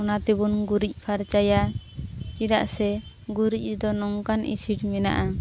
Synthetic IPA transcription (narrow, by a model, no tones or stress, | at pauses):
ɔnat̪ɛbunɡuɾic̚ˀpʰaɾt͡ʃaja | kid̪a̰ʔsɛ | ɡuɾic̚ˀd̪ɔnɔŋkanʔḭsiʈmɛna̰ʔa